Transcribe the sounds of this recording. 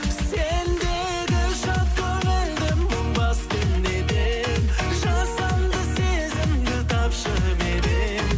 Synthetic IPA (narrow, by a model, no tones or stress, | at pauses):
send̪e | d̪ʲɪʃɑt̪̚kʲʰøɾend̪ɪmʊɴbɑst̪əmd̪ed̪e | ʒɑsɑmd̪əse̞zɪmd̪ɪt̪ʰɑpʃəʁəpeɾe